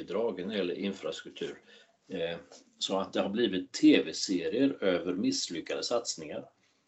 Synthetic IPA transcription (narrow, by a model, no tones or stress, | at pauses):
ɪd̪ɾɑːɡnɾjɛlːə̰ɾʔɪnfɾast̪ɾɵk̚t̪ʰʉ̟ːɾ | sɔat̪̚d̪ɛhaɾbliːvɪt̪ʰːeːvɛseːɾɪəɾøːvəɾmɪslʏkːad̪əsat̪snɪŋaɾ